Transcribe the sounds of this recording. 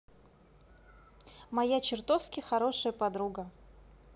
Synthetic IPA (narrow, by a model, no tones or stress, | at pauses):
mɐjat͡ɕɪrt̪ofskʲɪxɐɾo̞ʂəjəpɐd̪ɾuɡə